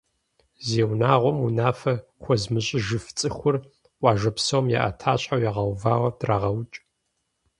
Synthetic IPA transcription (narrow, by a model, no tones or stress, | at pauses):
zeːwnaːʁʷɔmunaːfɐxʷɔzmɨɕʼɪʒɨft͡sʼɨxʷʊr | ʔʷʼɑːʒɐpsɐwmjɛ̰ʔɐ̰tʰaːɕʼħawjɛʁɐwvaːwɐdraːʁɐwt͡ʃʼ